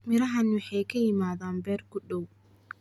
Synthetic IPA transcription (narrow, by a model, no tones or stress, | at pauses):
mɪɾɐɦɐnwɑħɑjkʰɐjɪmaːðaːnbɛːrɡʊɗɔw